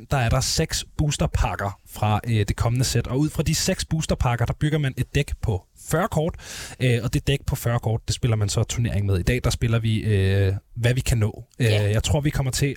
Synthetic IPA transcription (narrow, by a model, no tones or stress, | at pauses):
nd̥ɑ̈æɐɾ̥ɑ̈seɡ̥sb̥uːsd̥ɐpʰɑ̈ːɡ̥ɐfʁɑ̈ʔød̥e̝kʰɒ̽mənəsed̥ɒ̽uð̰ˠfʁɑ̈d̥iseɡ̥sb̥uːsd̥ɐpʰɑ̈ɡ̥ɐd̥ɑ̈b̥yɡ̥ɐmæne̝d̥̚ːeɡ̥pʰɒ̽ | fɶɐkʰɒ̰ːd̥ʔøɒ̽d̥e̝d̥eɡ̥̚pʰɒ̽fɶɐkʰɒ̰ːd̥̚d̥e̝sb̥e̝lɐmænsɒ̽t͡sʰuɐne̝̰ɐ̰e̝ŋmeð̞ˠid̥ɛ̰ːd̥ɑ̈sb̥e̝lɐʋiøʋæʋikʰænɔ̰̽ːøjɑ̈ɪt͡sʰʁo̝ɐ̰ʋikʰɒ̽m̰ɐt͡sʰe̝